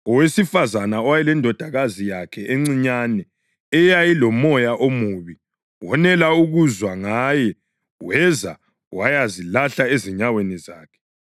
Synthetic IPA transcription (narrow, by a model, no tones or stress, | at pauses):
ɔwesifazanaɔwajɛlɛndʱɔd̥ʱaɣazijakʰɛʔeŋ͡ǀiɲanɛ | ɛjajilɔmɔjaʔomuβi | wɔnɛlauɣuzwaŋajɛ | wɛza̰ | wajazilaɬaeziɲaweniza̰ːkʰɛ̥